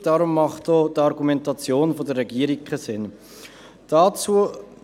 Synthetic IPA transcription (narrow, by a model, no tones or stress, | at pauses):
d̥ɑɾʊmːɑχtoːdɑɾɡumɛntɑt͡sjoːnfodəɾɛɡiːəɾikχəsɪn | d̥ɑt͡suə